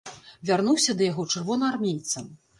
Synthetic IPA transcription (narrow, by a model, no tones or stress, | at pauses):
vʲarnuwsʲɐd̪ɐjaɣɔt͡ʂɨrvɔnɐarmʲejt̪sɐm